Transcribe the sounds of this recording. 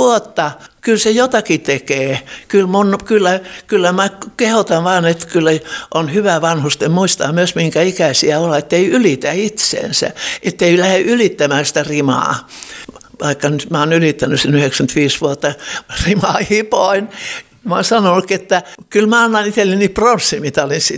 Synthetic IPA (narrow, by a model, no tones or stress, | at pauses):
uot̪ːɑkylsejot̪ɑkit̪ekeːkylmunkylːækylːæmækehot̪ɑʋʋɑːnet̪kylːæʔonhyʋæʋɑnhust̪emmuist̪ɑmyøsmiŋkæikæsiæolːet̪ːeiylit̪æit̪sḛːnsæ̰ʔet̪ːeilæheʔylit̪ːæmæːnsi̥t̪ærimɑ̰ː | ʋɑikːɑnyt̪mæonylit̪ːænysinyhekskynt̪ʋiːsʋuot̪ːɑrimɑːhipoin | moinsɑnonuket̪ːækylmæɑnːɑnit̪elːenipronsːimit̪æolinsi